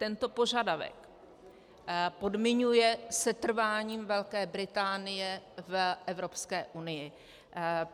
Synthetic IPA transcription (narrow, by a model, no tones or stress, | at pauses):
t̪ɛnt̪o̞po̞ʒadavɛ̰k | po̞dmɪɲujɛsɛt̪r̩vaːɲiːmvɛlkɛːbɾɪt̪aːnɪjɛvʔɛvɾo̞pskɛːʔunɪjɪ